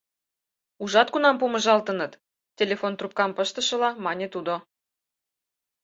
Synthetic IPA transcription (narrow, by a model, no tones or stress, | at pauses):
uʒɑt̪̚kunɑmpumə̆ʒɑlt̪ə̆nət̪ | tʲelʲefont̪rup̚kɑmpəʃt̪ə̆ʃɤ̆lɑmɑnʲet̪ud̪o